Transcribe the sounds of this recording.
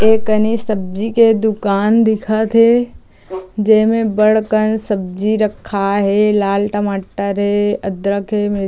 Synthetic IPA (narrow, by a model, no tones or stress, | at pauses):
eːkənisəb̚d͡ʒiked̪ʊkaːnd̪ɪkʰət̪ʰe | d͡ʒeːmẽbəɽkənsəb̚d͡ʒiɾəkʰːaɦelaːlʈəmaːʈəɾɦeəd̪ɾəkʰɦemɪ